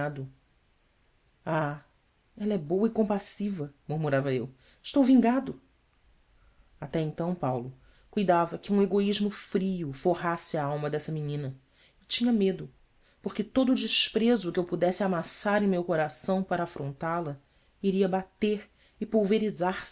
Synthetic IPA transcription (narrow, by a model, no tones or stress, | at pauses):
ad̪ʊ | a | ɛlɐɛbowɐɪkõpasivɐmuɾmuɾavɐew | ɪʃt̪owvĩŋɡad̪ʊ | at̪ɛẽnt̪ɐ̃w̃pawlʊ | kujd̪avɐkɪũeɡoiʒmʊfɾiʊfohasɪaawmɐd̪ɛsɐminĩnɐ | ɪt͡ʃĩɲɐmed̪ʊ | poχkɪt̪od̪ʊd͡ʒɪʃpɾezʊkɪewpud̪ɛsɪamasaɾẽj̃mewkoɾasɐ̃w̃paɾɐafɾõnt̪alɐ | iɾiɐbat̪eɾ | ɪpuwveɾizaɾs